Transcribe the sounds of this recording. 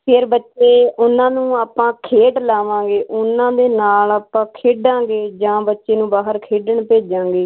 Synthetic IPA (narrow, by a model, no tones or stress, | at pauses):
pʰɪɾbətːʃeːʊnãːnũːaːpãːkʰeːʈlaːʋãːŋɡeːʔʊnãːd̪eːnaːlaːpãːkʰeːɖãːɡeːd͡ʒãːbətːʃeːnũːbaːɦəɾkʰeːɖəɳpeːd͡ʒãːŋɡeː